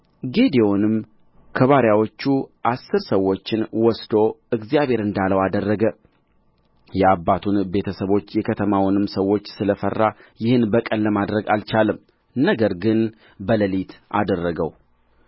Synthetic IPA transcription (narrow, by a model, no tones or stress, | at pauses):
ɡe̞d̪eonɨm | kʰəβaɾjawo̞t͡ʃːuʔasːɨɾsəwːo̞t͡ʃːɪnwɔsd̪o̞ɨɡzjaβhe̞ɾɨnd̪aləwad̪ərːəɡə | jɛabːat̪ʰunbe̞t̪ʰəsəβo̞t͡ʃːjɛkʰət̪ʰəmawɔnɨmsəwːo̞t͡ʃːsɨləfərːajɪhɨnbəkʼənləmad̪ɾəɡalt͡ʃalɨm | nəɡəɾɡɨn | bələlit̪ʔa̰d̪ərːəɡəw